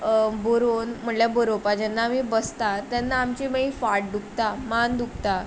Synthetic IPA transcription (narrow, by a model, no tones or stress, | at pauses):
boɾonm̤əɳljabəɾopad͡ʑɛnːaːmibəst̪at̪janːaːmt͡ɕeməifaʈ̚d̪ukʰt̪amand̪uk̚t̪a